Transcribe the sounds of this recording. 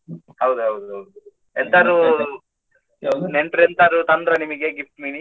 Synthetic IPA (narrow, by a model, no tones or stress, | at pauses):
hɐwd̪uɦɐwd̪uɦɐwd̪u | ent̪aːɾu | neɳʈɾent̪aːɾut̪ɐnd̪ɾɐnimɐɡeɡifʈ̪mini